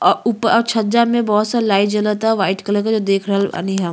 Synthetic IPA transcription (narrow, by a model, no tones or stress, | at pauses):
ɔʊpɔːɾt͡ʃʰɐd͡ʒamẽbɔɦɔt̪salaːid͡ʒələt̪aʋaːɪʈkələɾkad͡ʒod̪eːkʰɾɐɦɛa̰niɦɛ